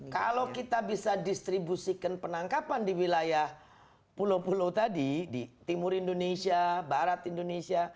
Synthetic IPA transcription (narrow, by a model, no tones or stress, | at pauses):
kalokit̪abisadist̪ɾibusikanpənaŋkapandiwilajah | pulowpulawt̪adidit̪imʊɾindonesiabaɾat̪indonesia